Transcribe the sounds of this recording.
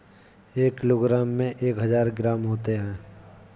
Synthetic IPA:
eːkːɪloːɡɾaːmːẽʔeːkɦəzaːɾɡɾaːmɦoːt̪eɦɛ̃ː

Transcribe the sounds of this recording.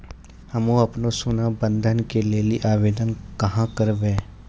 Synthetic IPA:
hɐmoɐpnosʊnabə̃nd̪ʱənkeleːliʔaːʋeːd̪ənkɐɦãkəɾbẽː

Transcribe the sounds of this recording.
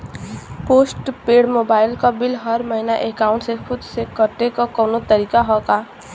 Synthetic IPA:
posʈpeɽmobaɪlkabilɦʌɾməɦinaʔekaʊ̃ɳʈsepʰud̪sekkːəɾt̪ekokɔwnot̪əɾikaɦɔka

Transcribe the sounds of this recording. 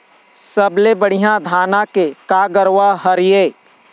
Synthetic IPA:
səblebəɽ̤ijãd̪ʱaːnakekaɡəɾwaɦəɾijeː

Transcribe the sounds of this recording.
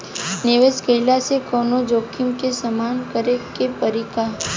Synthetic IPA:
nɪʋeːskəɪlasekɔːnod͡ʒoːkʰimkesəmaːnkəɾekepəɾika

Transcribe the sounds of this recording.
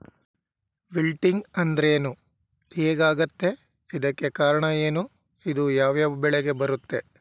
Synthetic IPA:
bilʈiŋɡɐnd̪ɐɾeːnu | heːɡaːɡɐt̪ːe̞ | id̪ɐkːe̞kaːɾɐɳɐeːnu | id̪ujaːʋjaːbɛɭeɡe̞bɐɾut̪ːe̞

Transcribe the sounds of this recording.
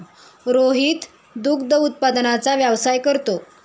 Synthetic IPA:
ɾoɦiːt̪ | d̪ukd̪əut̪̚pad̪nat͡saʋjaʋsajkəɾt̪o

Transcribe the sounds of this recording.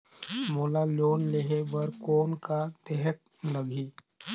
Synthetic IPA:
moːlaloːnleɦebəɾkoːnkat̪ɛɦək̚ | ləɡʱiː

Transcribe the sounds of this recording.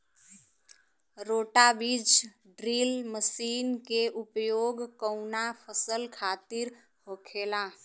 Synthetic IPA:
ɾoːʈabiːd͡ʒ | ɖɾiːlməsiːnkeʔʊpjoːɡkəʊnapʰəsəlkʰaːt̪ɪɾ | hoːkʰeːla

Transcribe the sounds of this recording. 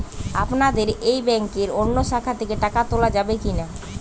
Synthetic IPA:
apnad̪eɾejbɛŋkeɾonːoʃakʰːat̪ʰekeʈakat̪olad͡ʑabekina

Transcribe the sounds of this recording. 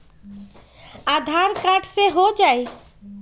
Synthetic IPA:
ad̪ʱaɾkaʈʰseɦod͡ʒae

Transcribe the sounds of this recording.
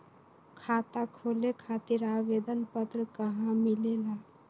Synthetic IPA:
kʰaːt̪akʰoːlekʰat̪iɾaʋed̪ənpət̪ɾəkəɦãmilela

